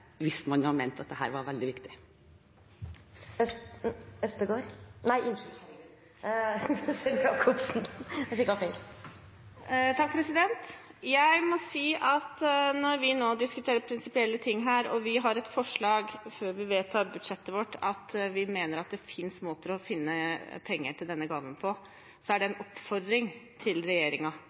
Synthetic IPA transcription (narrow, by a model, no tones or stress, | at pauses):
ʋɪsmɑnjhɑmɛnt̪ɑt̪̚d̪ɛɦæ̰ːɾʋɑɾʋɛld̪ɪʋɪkt̪ɪ̥ | œ | œst̪əɡoːɾnæɪʔɪn | sɛmɑkʰʊpsnɛʂɪkɑfeɪl | t̪ʰɑk̚ːpʰɾɛsɪd̪ɛnt̪ | jæɪmɔsiːʔɑt̪nɔɾʋɪnoːd̪ɪskʉt̪ʰeːɾəɾpʰɾɪnsɪpɪɛlːət̪ʰɪŋːɦæːɾɔ̰ʋɪɦɑɾɛt̪fɔʂɭɑːɡføːɾʋɪʋeːt̪̚pʰɑbʉd̪ʂɛt̪ːəʋɔʈːɑt̪ʋɪmeːnəɾɑt̪̚d̪ɛfɪnsmoːt̪əɾɔfɪnːəpʰɛŋːəʈʰɪld̪ɛnːəɡɑːʋənpʰɔ | sɔæɖɛɛnɔpfɔɾd̪ɾɪŋt̪ʰɪlɾɛjeːɾɪŋɑ